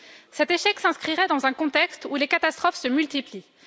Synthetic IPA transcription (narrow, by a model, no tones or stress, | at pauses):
sɛt̪eʃɛksɛ̃skχiʁɛd̪ɑ̃zɛ̃kɔ̃t̪ɛkst̪ulekat̪ast̪χɔfsəmylt̪ipli